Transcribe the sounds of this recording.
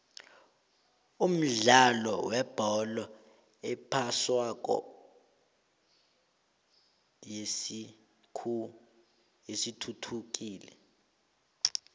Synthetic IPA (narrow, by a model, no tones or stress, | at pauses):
um̩ɮalɔ̰wɛb̥ʱɔlɔ | ɛpʰaswakʼɔ̰ | jei | kʰu | esitʰutʰuk̬ʼiːlɛ̰